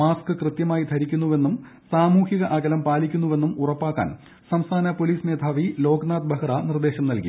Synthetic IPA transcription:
aːskɨkrɨt̪jɐmaːjid̪ʰʱɐɾikʲːunːuʋe̞nːum | saːmuːhiɣɐʔɐɡɐlɐmpaːlikʲːunːuʋe̞nːumurɐpːaːkːa̰ːn | sɐmst̪ʰaːnɐpoliːsne̞ːd̪ʰʱaːʋilo̞ːɡnaːd̪̚bɐhranird̪e̞ːɕɐmnɐlkḭ

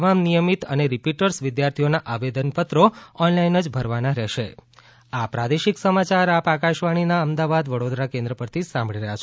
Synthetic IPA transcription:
t̪əmamnijəmit̪əneɾipiʈəɾsʋɪd̪jaɾt̪ʰijonaʔaʋed̪ənpət̪ɾoɔnlainəd͡ʒbʱəɾʋanaɾɛʃḛ | apɾad̪eʃiksəmat͡ʃaɾapakaʃʋaɽ̃inaəmd̪aʋad̪ʋəɽod̪ɾakẽnd̪ɾəpəɾt̪ʰisãmbɭiɾəɦjat͡ʃʰ

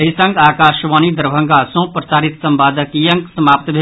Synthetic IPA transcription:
ɐɦisə̃ŋɡaːkaːʃʋaːnid̪əɾbʱə̃ŋɡasõːpɾɐsaːɾit̪sɐmbaːd̪əkijə̃ŋksɐmaːp̚t̪bʱe

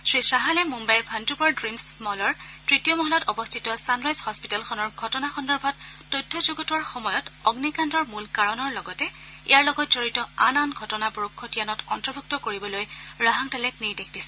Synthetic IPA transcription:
sɹisaɦalɛmumbajɹbʱantubɔɹdɹimsmɔɦɔlɔɹ | tɹitijɔmɔɦɔlɔtɔbɔstʰitɔsanɹajzhɔspitalxʰɔnɔɹɡʱɔtɔnaxɔndɔɹbʱɔtː | ojdʰʱːɔzuɡɔtuwaɹxɔmɔjɔtɔɡnikandɔɹmulkaɹɔnɔɹlɔɡɔtɛ | ḭjaɹlɔɡɔt̚zɔɹitɔananɡʱɔtɔnabɔɹukʰːɔtianɔtɔntɹɔbʱuk̚tɔkoɹibɔlojɹaɦaŋtɛlɛk̚niɹdekʰd̥isɛ̥

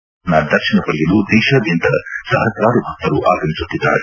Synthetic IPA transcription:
nad̪ɐɾʃinɐpɐljɐlud̪ɛːʃaːd̪jɐnt̪ɐsɐɦɐt̪ɾaːɾubʱɐk̚t̪ːɐɾuʔa̰ːɡɐmisut̪ːid̪ːa̰ːɾe

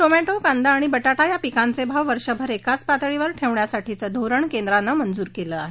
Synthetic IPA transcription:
ʈomeʈokand̪aːɽ̃ibəʈaʈajapikant͡sebʱaʋʋəɾʂəbʱəɾekat͡spat̪ɭiʋəɾʈʰeʋɳjasaʈʰit͡səd̪ʱoɾəɳkẽnd̪ɾanːamənd͡zuːɾkeləaɦe

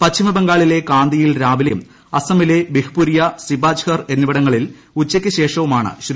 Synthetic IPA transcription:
pɐt͡ɕʰːimɐbɐŋɡaːɭile̞kaːnd̪ijilɾaːʋilɐjɐm | ɐsɐmilebihpuɾijɐsibaːd͡ʑhɐrenːuʋɐɽɐŋːɐɭil | ut͡ɕːɐkʲːɨɕe̞ːʂɐʋumaːɳɨ̰ɕ

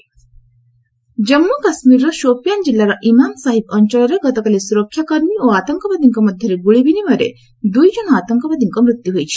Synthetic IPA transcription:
d͡ʒəmːukasmiɾːɔʃopjand͡ʒilːaɾɔʔimansaɦip̚ɔɲt͡ʃɔɭaɾeɡɔt̪ɔkalesuɾɔkʰːjakɔɾmioat̪ɔŋkɔpad̪ʱiŋkɔmɔd̪ʱjəɾeɡuɭibinimɔɾḛ | d̪ujd͡ʒɔɽ̃ɔat̪ɔŋkɔpad̪ʱiŋkɔmɾut̪juɦojt͡ʃʰi̥

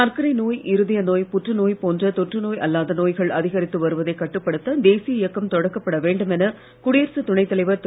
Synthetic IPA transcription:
naːɾkɐɾɐɪnoːjʔɪɾɯðɪjɐnoːjpʊʈrɯnoːjpoːndrɐt̪ɔʈrɯnoːjɐlːaːðɐnoːjɣɐɭɐðɪɣɐɾɪt̪ːɯʋɐɾɯʋɐðɐɪkːɐʈːɯpːɐɽɯt̪ːɐd̪eːsɪjɐɪjɐkːɐmt̪ɔɽɐkːɐpːɐɽɐʋeːɳɖɯmɛnɐ | kʊɽijɪɾsɯt̪ʊɳɐɪt̪ːɐlɐɪʋɐɾt̪

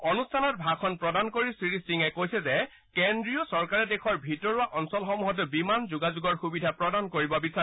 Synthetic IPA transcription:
ɔnustʰanɔt̚bʱakʰɔnpɹɔdankoɹisɹiɹisiŋɛkojsɛzɛ | kendɹijɔsɔɹkaɹɛdexʰɔɹbʱitɔɹʊaʔɔnsɔlxɔmuɦɔt̬ʊbimanzuɡazuɡɔɹxubidʱapɹɔdankoɹibɔbisa

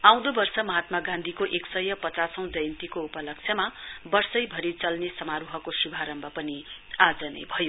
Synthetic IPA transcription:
aw̃d̪obʌrsʌmʌɦat̪̚maɡãnd̪ʱikoʔeksʌjʌpʌt͡sasʌw̃d͡zʌjnt̪ikoupʌlʌk̚t͡sʰjʌmabʌrsʌjbʱʌɾit͡sʌlnesʌmaɾuɦʌkosubʱaɾʌmbʱʌpʌniad͡zʌnʌ̰jbʱʌjo

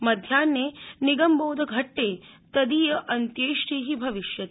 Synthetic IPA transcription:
mɐd̪ʱjaːnːeniɡɐmboːd̪ʱɐɡʱɐʈːeː | t̪ɐd̪ijɐʔɐnt̪jeːʂʈiːɦibʱɐʋiʃjɐt̪

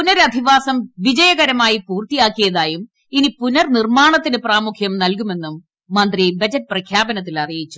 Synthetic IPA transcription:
punɐɾɐd̪ʱiʋaːsɐmʋid͡ʑɐjɐɣɐɾɐmaːjipuːrt̪ijaːkːijɐðaːjum | inipunɐrnirmaːɳɐt̪ːinɨpraːmukʰjɐmnɐlk̬ume̞nːumː | ɐnd̪ribɐd͡ʑɐt̚ːprɐkʰjaːbɐnɐt̪ːilɐrijit͡ɕːu̥

